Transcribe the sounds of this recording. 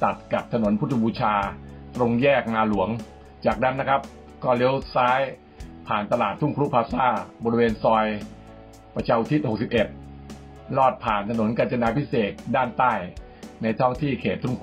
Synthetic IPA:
t̪a˨˩t̪̚ka˨˩p̚t̪ʰa˧no˩˦npʰu˦˥t̪ʰːu˧buː˧t͡ɕʰaː˧t̪ɾo˧ŋjɛː˥˩k̚naː˧lu˩˦əŋ | t͡ɕaː˨˩k̚na˦˥nːa˦˥kʰa˦˥p̚ | kɔː˥˩le˦˥wsaː˦˥j | pʰaː˨˩nt̪a˧laː˨˩t̪ʰːu˥˩ŋkʰɾu˦˥pʰaː˧p̚saː˥˩bɔː˧ɾi˧weː˧nsɔː˧j | pa˧t͡ɕʰa˧wt̪ʰi˦˥t̪̚ho˨˩k̚si˨˩p̚ʔe˨˩t̪̚ | lɔː˥˩t̪̚pʰaː˨˩nt̪ʰa˧no˩˦nka˧nt͡ɕa˧naː˧pʰi˦˥seː˨˩t̪̚daː˥˩nt̪aː˥˩j | na˧jt̪ʰɔː˦˥˩ŋt̪ʰiː˥˩kʰeː˨˩t̪̚t̪ʰːu˥˩ŋkʰ

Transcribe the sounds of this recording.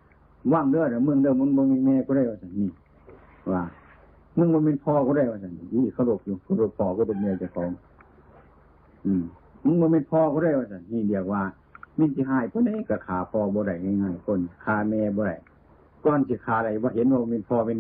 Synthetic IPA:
waː˧˩˨ŋlɯ˧˨ə˨ta˧mɯ˧˨ŋdɯː˧˨mɯ˧˨ŋbɔ˧˨me˧˨nmɛː˧kʰu˧ɾa˧˨jwaː˧˩sa˨nniː˧˩˨ | waː˧˩ | mɯ˧˨ŋbɔː˧˦me˧˥˨npʰɔː˧kʰɔ˧ɾa˧˩jwaː˧sa˨˩n˧ʔiː˧˩˨kʰa˧wlo˧˩p̚juː˧kʰa˧ɾo˧˩pʰːɔː˧˩kʰɔ˧˨ɾo˧˩p̚mː˧˨t͡ɕa˧˩kʰɔː˨˦ŋ | ʔɯː˧˩ | mɯ˧˨ŋbɔː˧˦me˧˥˨npʰɔː˧kʰu˧ɾa˧˩˨jwaː˧sa˨nniː˧˩˨di˧˩ək̚waː˧ | me˧˥˨nsiː˧ɦaː˧˩jpʰɔ˧˨nda˧˨jka˧˩kʰaː˨˩pʰɔː˧bɔː˧˦ɾa˧˩jɲa˧˨ŋaː˧˩˨jkʰo˧˨n˨kʰaː˧˩mɛː˧bɔː˧ɾa˨˩j | kɔː˧˨nsiː˧˦kʰaː˨˩ɾa˨˩jbaː˧ɦe˧˦nwaː˧bɔ˧e˧˥˨npʰɔː˧me˧˨

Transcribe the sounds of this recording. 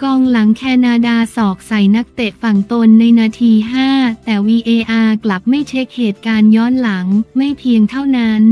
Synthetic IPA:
kɔː˧ŋla˩˦ŋkʰɛː˧naː˧daː˧sɔː˨˩k̚sa˨˩˦jna˦˥k̚t̪e˨˩p̪̚fa˨˩ŋt̪o˧nːa˧jnaː˧t̪ʰiː˧ɦaː˥˩t̪ɛː˨˩wiː˧ʔeː˧ʔaː˧kla˨˩p̚ma˥˩jt͡ɕʰe˦˥k̚heː˨˩t̪̚kaː˧njɔː˦˥nla˩˦ŋma˥˩jpʰi˧əŋt̪ʰa˥˩wna˦˥n

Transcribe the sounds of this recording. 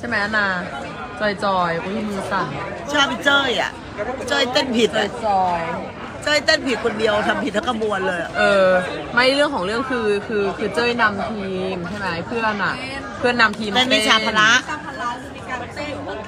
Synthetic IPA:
t͡ɕʰa˥˩jma˦jʔa˧naː˧˩ | t͡ɕɔː˧jt͡ɕɔː˧jʔo˧˥˦miː˧sa˨˩nt͡ɕʰaː˥˩pi˧˩t͡ɕɤː˥˩jʔa̰˨˩ʔ | t͡ɕɤː˥˩jt̪e˥˩npʰi˨˩˦a˧˩t͡ɕɔː˧j | t͡ɕɤː˥˩jt̪e˥˩npʰi˨˩t̪̚kʰo˧ndi˧əwt̪ʰa˧mpʰi˨˩t̪̚lɛ˦˥ka˧˩bu˧ənlɤː˧ja˨˩ʔɤː˧ma˥˩jɾɯ˥˩əŋkʰɔː˩˦ŋɾɯ˥˩əŋkʰɯː˧kʰɯː˧kʰɯː˧t͡ɕɤː˥˩jna˧mt̪ʰiː˧mt͡ɕʰa˥˩jma˦˥jpʰɯ˥˩ə˨a˧˩nʔa˨˩ʔ | pʰɯ˥˩ənːa˧mt̪ʰiː˧ma˥˩miː˥˧˩t͡ɕʰaː˨˧pʰa˧la˦˥ʔʰ

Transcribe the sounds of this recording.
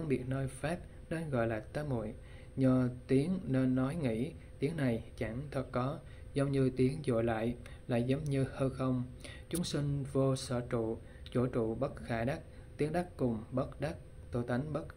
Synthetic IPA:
fə˧ɓi˨˩ət̚nəː˧jfaː˦˥p̚ | ne˧nɣɔ̰˧˨jlaː˨˩t̪aː˨˦mo̰˧˩˨j | ɲə˨˩t̪i˨˦əŋne˧nːɔ˨˦jŋḭ˧˥ | t̪i˨˦əŋa˨˩jt͡ɕa˧˩ŋt̪ʰə˨˩t̚kɔ˨˦ | zə˨˦wŋ͡mɲɨ˧t̪i˨˦əŋzo̰˧˨jla̰ː˧˨jla̰ː˧˨jzə˨˦wŋ͡mɲɨ˧həː˧jxə˧wŋ͡mt͡ɕʊ˨˦ŋ͡msï˧ŋ̟vo˧sə̰ː˧˩t͡ɕṵ˧˨ | t͡ɕo˧˩t͡ɕṵ˧˨ɓə˦˥t̚xaː˧˩ɗa˦˥k̚t̪i˨˦əŋɗa˦˥kkʊ˨˩ŋ͡mɓə˦˥t̚ɗa˦˥k̚ | t̪o˧˩t̪a˨˦ŋ̟ɓə˦˥t̚

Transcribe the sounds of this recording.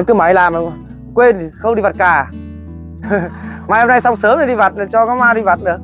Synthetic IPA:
kɨ˨˦ma˨˦jlaː˨˩mə˨˩˧ | kwe˧nxə˧wŋ͡mɗi˧va˨˩t̚kaː˨˩ | maː˨˩jho˧na˧jsa˧wŋ͡msəː˨˦mɗə˨˩ɗi˧va˨˩t̚n˨˩t͡ɕɔ˧kaː˨˦maː˧ɗi˧va˨˩t̚nɨ˨˦ə˦

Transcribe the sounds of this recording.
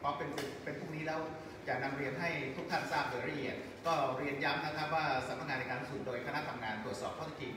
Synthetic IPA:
pʰɔː˧˥pe˧nsi˨˩t̪̚pe˧npʰuː˥˩ŋniː˦˥lɛː˦˥w | t͡ɕaː˨˩na˧mɾi˧ənɦa˥˩jt̪ʰu˥k̚t̪ʰa˥˩nsaː˥˩p̚lɯː˩˦ɾa˧ʔi˨˩ət̪̚ | kɔː˥˩ɾi˧ənja˦˥mna˦˥kʰa˦˥p̚waː˥˩sa˨˩˦mna˦˥k̚ŋaː˧a˧jkaː˧lːu˥ksu˨˩t̪̚doː˧jkʰa˧na˦˥t̪ʰa˧mŋaː˧nt̪ɾu˨˩t̪̚sɔː˨˩p̪̚ʰa˥˩t̪ʰːt͡ɕi˧ŋ

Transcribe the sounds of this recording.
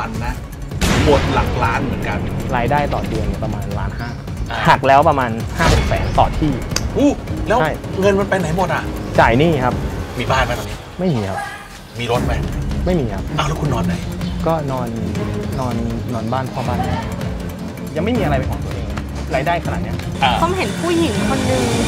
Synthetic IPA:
a˨˦nːa˦˥˨ | bo˨˩ət̪̚la̰˨˦k̚laː˦˥nmɯ˨˩˦nka˧nɾaː˧jdaː˥˩jt̪ɔː˨˩ndɯ˧ənːi˧˩pɾa˧maː˧nla̰ː˦˥nhaː˥˩˧ | ha˨˩k̚lɛː˦˥wpɾa˧maː˧nhaː˥˩mo˨˩k̚sɛ̰ː˩˦nst̪ɔː˨˩t̪t̪ʰiː˥˩ʔuː˧˥˩lɛː˦˥wʰa˥˩jŋɤ˧nma˧npa˧jna˨˦jbu˨˩t̪̚ʔa˨˩t͡ɕaː˨˩jniː˥˩kʰa˦˥p̚miː˧baː˥˩nma˧˦t̪a˧˨˩ni˦˥ma˥˩jmiː˧kʰa˦˥p | miː˧ɾo˦˥t̪̚ma˦˥jma˥˩jmiː˧kʰa˦˥p̚ʔa˧˩wlɛ˦˥kʰu˧nːɔː˧nːa˨˦jkɔː˥˩nɔː˧nːɔː˧nːɔː˧nbaː˥˩npʰɔː˥˩baː˥˩nːa˦˥˩ | ja˧ŋma˥˩jmiː˧a˧ɾa˧jpa˧jkʰɔː˨˩˦t̪u˩˦nʔeː˧kʰ | ɾaː˧jdaː˥˩jkʰa˧a˨˩ni˦˥ɐ˧ | kʰa˧mɦe˨˩˦npʰuː˥˩ji˨˩˦ŋkʰo˧nːɯ˧ŋ

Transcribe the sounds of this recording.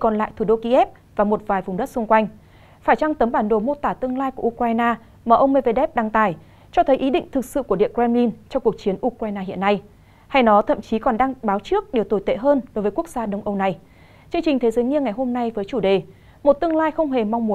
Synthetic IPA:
kɔ˨˩nla̰ː˧˨jt̪ʰu˧˩ɗo˧ki˧ʔɛ˦˥p̚ | vaː˨˩mo˨˩t̚vaː˨˩jvʊ˨˩ŋ͡mɗə˦˥t̚sʊ˧ŋ͡mkwa˧jŋ̟ | faː˧˩jt͡ɕa˧ŋt̪ə˨˦mɓaː˧˩nɗo˧˩mo˧t̪aː˧˩t̪ɨ˧əŋlaː˧jku˧˩ʔu˧kwaː˧jnaː˧ | maː˨˩ʔə˧wŋ͡mme˧ve˧ɗɛ˦˥p̚ɗa˧ŋt̪aː˧˩j | t͡ɕɔ˧t̪ʰə˨˦jʔi˨˦ɗḭ̈˧˨ŋ̟t̪ʰɨ˨˩k̚sɨ̰˧˨ku˧˩əɗḭ˧˨əŋkɛ˧mli˧nt͡ɕɔ˧ŋ͡mku˨˩ək̚t͡ɕi˨˦ənʔu˧kwaː˧jnaː˧ɦḭ˧ənːa˧j | ha˧jnɔ˨˦t̪ʰə̰˧˨mt͡ɕi˨˦kɔ˨˩nɗaː˧ŋɓaː˨˦wt͡ɕɨ˦˥ək̚ɗe˨˩wt̪o˧˩jt̪ḛ˧˨ɦəː˧nɗo˨˦jvəː˨˦kək̚z̥aː˧ɗə˧wŋ͡mʔə˧wna˧j | t͡ɕɨ˧əŋt͡ɕï˨˩t̪ʰe˨˦zəː˨˦jɲi˧əŋa˨˩jɦo˧mna˧jvəː˨˦jt͡ɕu˧˩ɗe˨˩ | mo˨˩t̚t̪ɨ˧əŋlaː˧jxə˧wŋ͡mɦe˨˩ma˧wŋ͡mmu˨˦

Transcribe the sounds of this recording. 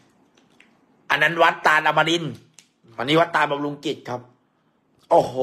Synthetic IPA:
ʔa˧nːa˦˥nwa˦˥t̪ːaː˧nla˧mːa˧li˧n | wa˧nːiː˦˥wa˦˥t̪ːaː˧nba˨˧m̚lu˧ŋki˨˩t̪̚kʰa˦˥p̚ | ʔoː˨˩h

